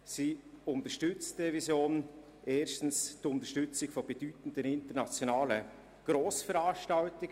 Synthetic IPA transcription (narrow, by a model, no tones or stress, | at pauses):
siːʊntəʃtʏt͡std̥evisjoːn | ʔeːʃtn̩stʊntəʃtʏt͡sɪɡfob̥ed̥yːtn̩dənɪntənat͡sjonaːlə | ɡ̥ɾoːsfəɾaːʃtaltɪɡ